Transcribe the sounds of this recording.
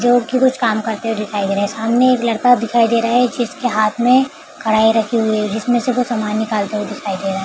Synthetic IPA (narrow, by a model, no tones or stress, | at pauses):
d͡ʒoːɽkikʊt͡ʃʰkaːmkɐɾt̪eɦod̪ɪkʰaːid̪eːɾaɦɛsaːmneeːklɐɽt̪ad̪ɪkʰaːid̪eːɾaɦɛd͡ʒɪskeɦaːt̪ʰmẽ | kʰɐɽaːiɾɐkʰiɦʊiɛd͡ʒɪsmẽseʋosɐmaːnːɪkaːlt̪eɦed̪ɪkʰaːid̪eːɾaɦe